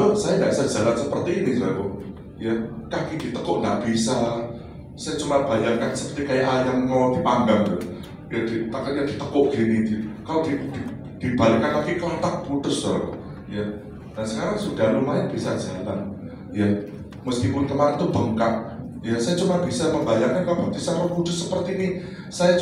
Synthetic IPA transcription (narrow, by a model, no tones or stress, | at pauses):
ɔsajaŋda̰ʔisḁd͡ʒ̥alansəpərt̪iːnisajakɔ | jakakid̥it̪əkɔʔŋa̰ʔb̥isa | sajat͡ʃumab̥a̤jaŋkansəpərt̪ikajaʔajamŋɔd̥ipaŋɡaŋd̪ʊ | jad̥it̪akat̪jad̥it̪əkʊʔɡ̥inid̪kalod̥idi | d̪̥ib̥alɪkankakiʔkəlat̪ak̚b̥ud̪ʊsɔɾ̰ | ja | d̥ansəkaɾaŋsud̥a̤lumaɲab̥isḁd͡ʒ̥ala̰n | ja | məsk̪ipʊnt̪əmanit̪ub̥əŋkaʔ | jasajat͡ʃumab̥isaməmbajaŋɲakalobap̚t̪isarəbudʊssːəpərt̪iːni | saja